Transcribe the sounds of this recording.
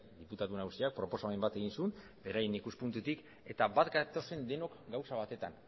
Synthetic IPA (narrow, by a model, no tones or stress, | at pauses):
d̪iput̪aðunaɣusiak̚pɾo̞po̞saembat̪e̞ɣinsun | be̞ɾajinikuspunt̪ut̪ik | e̞t̪aβat̪ɡat̪o̞se̞nd̪e̞no̞kɡawsaβ̞at̪e̞t̪an